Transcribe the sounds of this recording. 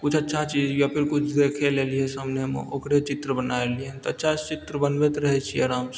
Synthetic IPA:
kʊt͡ʃʰətːʃʰat͡ʃiːd͡ʒjapʰɪɾkʊt͡ʃʰd̪ekʰeleliɛsəmnemḛokɾet͡ʃɪt̪ɾəbənaeliet̪oətːʃʰat͡ʃɪt̪ɾəbənbet̪ɾəɦɛt͡ʃʰiəɾams

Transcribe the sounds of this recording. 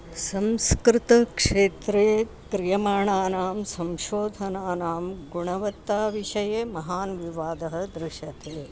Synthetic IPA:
sɐmskɾɪt̪ɐkʂeːt̪ɾeː | kɾijɐmaːɳaːnaːmsɐmʃoːd̪ʱɐnaːnaːmɡuɳɐʋɐt̪ːaːʋiʃɐjeːmɐɦaːnʋiʋaːd̪ɐɦɐ̆d̪ɾɪʃɐt̪ʰeː

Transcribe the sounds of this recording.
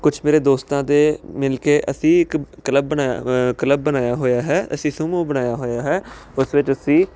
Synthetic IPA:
kʊt͡ʃʰmeːɾeːd̪oːst̪ãːt̪eːmɪlkeːʔəsĩːɪkkələbːənaːkələbːənaːjaːɦoːjaːɦɛːə̰sĩːsʊmõːbənaːjaːɦoːjaːɦɛːʊsʋɪt͡ʃəsĩː

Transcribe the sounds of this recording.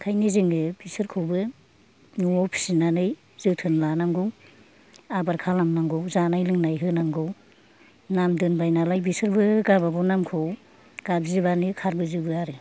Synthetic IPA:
kʰajniziŋɯbisɯɾkʰɯwbɯ | nuɔpʰi̥sinanɯj | z̥ɯwtʰɯnlanaŋɡɯw | abaɾkʰalamnaŋɡɯwzanajlɯŋnajɦɯnaŋɡɯw | namdɯnbajnalajbisɯɾbɯɡababɔnamkʰɯw | ɡ̥abzibanɯkʰaɾbɯzɯbɯaɾɯ

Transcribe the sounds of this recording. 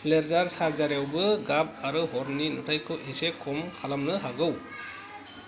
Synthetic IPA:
leɾzaɾsaɾzaɾjawbɯɡap̚aɾɯɦɔɾninutʰajkʰɯʔisekʰɔmkʰalamnɯɦaɡɯw

